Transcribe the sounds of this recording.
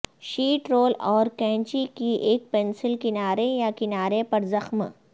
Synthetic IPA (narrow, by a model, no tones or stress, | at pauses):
ʃiːʈɾoːlɔːɾkɛ̃ːɲt͡ʃikiʔeːk̚pɛnsɪlkɪnaːɾejakɪnaːɾepɐɾzɐxm